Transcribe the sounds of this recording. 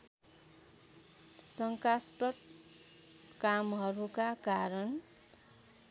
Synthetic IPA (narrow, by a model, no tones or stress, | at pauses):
sʌŋkaspʌʈ̚ | kamɦʌɾukakaɾʌn